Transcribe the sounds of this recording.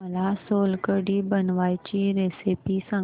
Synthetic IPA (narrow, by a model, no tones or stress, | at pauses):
əlasoːlkəɖibənʋaːit͡ɕiɾesipisə̃